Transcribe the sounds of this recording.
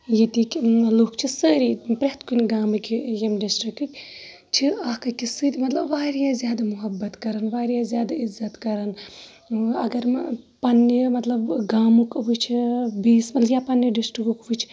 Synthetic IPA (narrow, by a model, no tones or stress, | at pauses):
jit̪ikʲloːkt͡ʃʰisəːɾipɾɐɦt̪kunʲɡaːmɨkʲijemɖisʈɾikɨkʲ | t͡ʃʰiaːkɐkisɨd̪ʲmɐt̪lɐbʋaːɾijaːzʲjaːd̪amuɦɐbːɐt̪kɐɾɐnʋaːɾijaːzʲjaːd̪aizːɐt̪kɐɾɐn | ɐɡɐɾpɐnːimɐt̪lɐbɡaːmukʋut͡ʃʰibiːsmɐt̪ljaːpɐnjɐɖisʈɾikukʋut͡ʃʰ